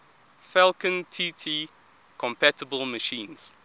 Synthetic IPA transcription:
fɛlˠkə̃ntʰiːtʰi | kʰɔ̃mpʰætəbəlməʃĩːnz̥

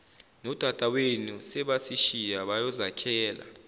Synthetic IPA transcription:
nɔd̥ʱad̥ʼʱawenusɛɓasiʃijaɓajɔzakʰɛːla̰

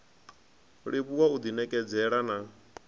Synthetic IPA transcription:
ɺiβuwaud̪inɛkʼɛd͡zɛɺana

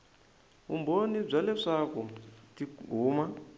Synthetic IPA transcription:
umbonib͡ʐalɛʂakutiɡʱuːma

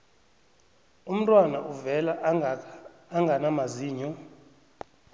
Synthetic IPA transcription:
um̩tʼwanaʔuvɛlaʔː | ŋɡʱanamaziːɲɔ

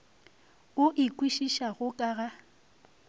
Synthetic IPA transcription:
ʊʔɪkʼwiʃiʃaɣʊkʼaːɣa

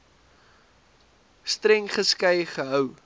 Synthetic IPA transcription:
strɛŋχəskɐjχəɦœw

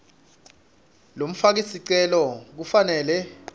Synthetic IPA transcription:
lom̩fak̬isiǀɛlɔk̬ufanɛːlɛ

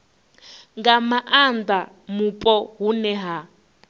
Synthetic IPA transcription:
ŋɡamaʔanda | mupʼɔɦunɛɦa

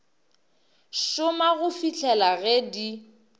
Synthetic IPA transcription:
ʃʊmaɣʊfit͡ɬʰɛlaɣɛdi

